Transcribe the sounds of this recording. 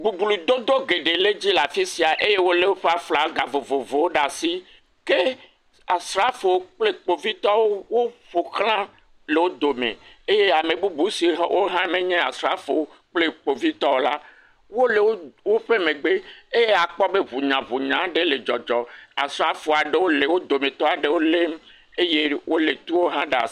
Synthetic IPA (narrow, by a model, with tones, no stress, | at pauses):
bu˨bu˨lu˨d̪o˦d̪o˦ɡe˨ɖe˨le˦d͡ʑi˦la˨fi˦si˨a˨ʔe˦je˦wo˦le˦wo˦ɸe˦a˨fla˨˦ɡa˨vo˨vo˨vo˨wo˦ɖa˨si˦ | ke˦ | a˨sɾa˦fo˨wo˦k͡ple˦k͡po˨vi˦t̪ɔ˦wo˦wo˦ɸo˨xl̃ã˦ | le˨wo˦d̪o˨mḛ̃˨e˦je˦a˨mẽ˨bu˦bu˨˦si˨˦wʔo˦ɦã˦mẽ˦ɲɛ̃˦a̰˨sɾa˦fo˨wo˦ | k͡ple˦k͡po˨vi˦t̪ɔ˦wo˦la˦ | wo˦le˨wo˦wo˦ɸe˦mẽ˨ɡ͡be˦e˦je˦a˨k͡pɔ˦be˦βu˨ɲã˨βu˨ɲã˨˦ɖe˦le˨d͡ʒɔ˨d͡ʒɔ˨a̰˨sɾa˦fo˨a˨ɖe˦wo˦le˨wo˦d̪o˨mẽ˨t̪ɔ˦a˨ɖe˦wo˦le˦m˦ | e˦je˦wo˦le˨t̪u˦wo˦ɦã˦ɖa̰˨